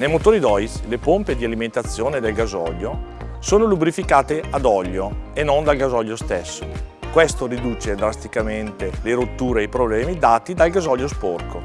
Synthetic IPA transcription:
nejmot̪oːɾid̪ɔjslepomped̪ialiment̪at̪sːjoːned̪elɡazɔ̰ʎːo | soːnolubɾifikaːt̪ead̪ɔʎːoenond̪alɡazɔʎːost̪esːokwest̪oɾid̪uːt͡ʃed̪ɾast̪ikament̪eleɾot̪ːuːɾeajpɾoblɛːmid̪aːt̪id̪alɡazɔʎːosporkʰo̰

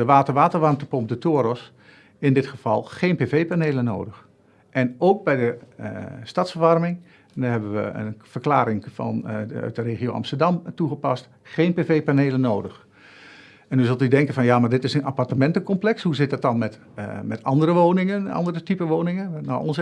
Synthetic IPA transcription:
əʋaːtərʋaːtəɹʋɑrmtəpɔmp̚dətʰoːəɾɔs | ɪndɪtχəfɑlˠχeːnpevejpaneːləno̰ːwdəx | ʔɛnowk̚bɛjdə | stɑtsfəɹʋɑrmɪŋ | ndaɦɛbəʋə̰ə̰nfərklaːɾɪŋfɑ̰nœ̰ɥt̚dəreːχioɑ̰mstərdɑmtuχəpɑst | xeːnpeveːpaneːlənoːdəx | ɛnyzɪlˠtydɛŋkənfɑnjaːmaɹdɪtɪsənapartəmɛntəkɔmplɛkshuzɪt̚dɑt̚dɑnmɛt | mɛtɑndərəʋoːnɪŋənɑ̰ndərətipəʋoːnɪŋəno̰ɔns

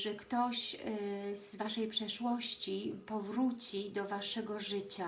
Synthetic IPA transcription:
ʐɛkt̪ɔɕ | z̥vaʂɛjpʂɛʂwɔɕt͡ɕipɔvɾut͡ɕid̪ɔvaʂɛɡɔʐɘt͡ɕa

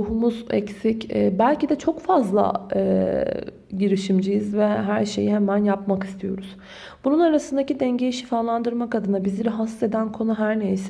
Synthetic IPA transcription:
uɦumuzɛ̰csicɛbælʲcid̪ɛt͡ʃʰo̞kfazlˠa̰ | ɟiɾiʃimd͡ʒijizvɛɦæɾʃejihɛmænjapmaki̥st̪ʰijo̞̰ɾuz̥ | b̥ununaɾasɯnd̪acid̪ɛɲɟejiʃifaːlˠand̪ɯɾmakad̪ɯnabiziɾɛɦasːe̞d̪ænkʰo̞nuɦæɾnejs

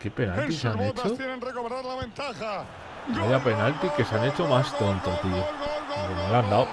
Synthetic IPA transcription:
ke̞penalt̪iseanet͡ʃonreaaent̪a | ojape̞nalt̪ike̞seanet͡ʃomast̪õnt̪ot̪iokenoland̪aw

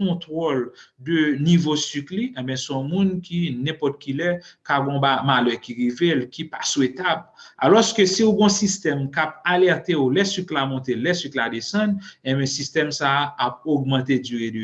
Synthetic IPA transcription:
ɔ̃t̪ʁoldønivosykliʔɛ̃bɛ̃sɔ̃mũnkinɛ̃pɔt̪̚kilɛkaɡɔ̃bamalœkiʁivelkipaswet̪aba̰lɔskøsiuɡɔ̃sist̪ɛmkap̚alɛʁt̪eulɛsyklamɔ̃t̪elɛsykladesɐ̃dɛ̃bɛ̃sist̪ɛmsaap̚oɡmɑ̃t̪̬ed͡zyʁedø

